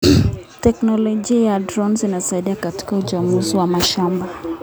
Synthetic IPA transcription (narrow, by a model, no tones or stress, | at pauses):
tɛknɔlɔʄiajadɾɔnzinasaiɗiakati̥kaut͡ʃamuziwamaʃamba